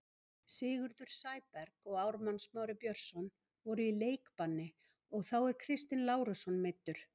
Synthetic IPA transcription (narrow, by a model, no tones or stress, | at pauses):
sɪːɣʏɾðʏɾ̥saːjpɛɾkɔɣaːwɾmansmawɾɪpjœɾ̥sɔn | vɔɾʏileːjkpanːɪ | ɔɣθawɛɾ̥kʰɾɪst̪ɪnlaːwɾʏsɔnmet̪ːʏɾ̥